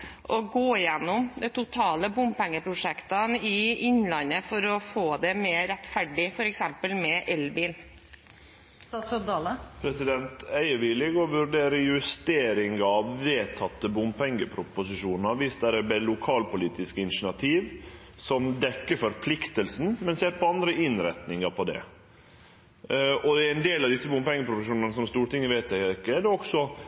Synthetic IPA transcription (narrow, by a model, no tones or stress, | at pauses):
ʔɔɡoːjɛnːʊmd̪ɛt̪ʊt̪ʰɑːləbʊmpɛŋːəpʰɾʊʂɛkt̪ənɪɪnlɑnəfɔɾɔfoːd̪ɛmeːɾɛt̪fæɖɪfɔɾɛksɛmpəlmɛʔɛlbin | d̪ɑləpʰɾɛsɪd̪ɛnt̪æɪəʋɪlɪɡɔʋʉɾɖeːɾəjʉst̪eːɾɪŋɑʋːeːt̪ʰɑt̪ːəbʊmpɛŋːəpʰɾʊpʊsɪʂuːnəɾʋɪsd̪æɾəbɛlʊkʰɑːlpʊliːt̪ɪskəɪnʂɪnɑt̪ʰiːʋ | sɔmd̪ɛkːəfɔɾpʰlɪkt̪əlsn̩mɛnseːɾpʰɔɑnd̪ɾəʔɪnɾɛt̪nɪŋɑpʰɔd̪ɛ̰ | ɔd̪ɛɪnd̪eːlɑʋd̪ɪsːəbʊmpɛŋːəpʰɾʊfəʂuːnɑnəsɔmst̪uːɾəʈ̪ɪŋːəʋæɪt̪æɪkːəd̪ɛɔksɔ